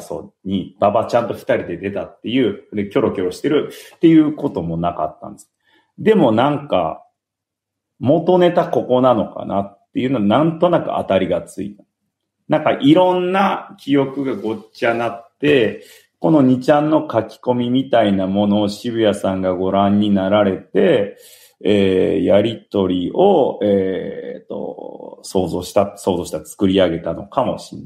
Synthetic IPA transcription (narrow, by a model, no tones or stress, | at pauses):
so̞̰ɲ̟ib̥abat͡ɕãnt̪o̞ɸɯ̥t̪aɾʲid̪e̞d̪e̞t̪at̪ːe̞jɯ̟ːd̪ekʲo̞ɾo̞kʲo̞ɾo̞ɕi̥t̪e̞ɾɯ̟t̪ːe̞jɯ̟ːko̞t̪o̞mo̞naka̰t̪ːã̰nd̪es | d̪e̞mo̞nãŋka̰ | mo̞t̪o̞ne̞t̪ako̞ko̞nano̞ka̰na̰t̪ːe̞jɯ̟noanãnt̪o̞nakɯ̟̰a̰t̪aɾʲiɡat͡sɨḭt̪ | nãŋkaʔiɾõ̞nːakʲijo̞kɯ̟ɡaɡo̞t͡ɕanatt̪ːe̞ | ko̞no̞ɲ̟it͡ɕãnːo̞kakʲi̥ko̞mʲimʲit̪ainamo̞no̞ːɕibɯ̟jasãŋɡaɡo̞ɾãɲ̟ːinaɾaɾe̞t̪e̞ | eːjaɾʲit̪o̞ɾʲiʔo̞et̪ːo̞̰so̞ːzo̞ːɕi̥t̪aso̞ːzo̞ːɕi̥t̪at͡sɨ̥kɯ̟ɾʲiaɡe̞t̪ano̞̰kamo̞̰ɕi̥nːa